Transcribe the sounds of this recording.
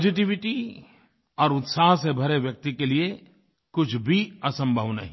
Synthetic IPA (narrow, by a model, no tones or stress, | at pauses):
poːd͡ʒɪʈ̬iʋɪʈi | ɔːɾʊt̪saːɦsebʱɐɾeʋjɐk̚t̪ikelie | kʊt͡ʃʰbʱiɐsə̃mbʱəʋnɐɦĩ